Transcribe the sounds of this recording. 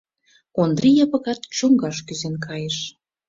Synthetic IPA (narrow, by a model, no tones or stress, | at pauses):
ond̪rʲijɑpɤ̆ɣɑt̪t͡ɕoŋɡɑʃkyzenkʰɑjeʃ